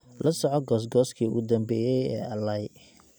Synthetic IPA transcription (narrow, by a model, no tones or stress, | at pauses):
lʔɐsɔʕɔɡɔːs̬ɡɔːskʰiːʊ̰ɣʊd̪ɐmbɛːjɛjɛ̰ːɐlɐj